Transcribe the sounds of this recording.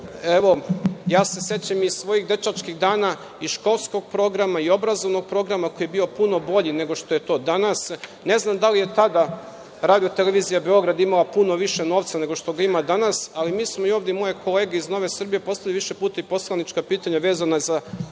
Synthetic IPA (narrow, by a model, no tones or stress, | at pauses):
eʋo̞jaːse̞sje̞t͡ɕamizsʋo̞ːjixd̪e̞t͡ʃat͡ʃkixd̪aːna | iʃko̞lˠsko̞ɡ̚pɾo̞ɡɾamaio̞bɾazo̞ʋno̞ɡ̚pɾo̞ɡɾamako̞jebiːo̞puno̞bo̞ʎine̞ɡo̞ʃt̪oje̞t̪o̞ːd̪anasne̞znamd̪alije̞t̪ad̪a | ɾaːd̪ijo̞t̪ele̞ʋizijabe̞o̞ɡɾad̪imalˠapuno̞ʋiʃe̞no̞ːʋt̪sane̞ɡo̞ʃt̪o̞ɡaimad̪anasalimiːsmoio̞ːʋd̪ʲjemo̞jekʰo̞le̞ːɡeizno̞ʋe̞sr̩bije̞po̞st̪avʎliʋiʃe̞puːt̪aipo̞slˠanit͡ʃkapiːt̪aɲaʋe̞ːzanaza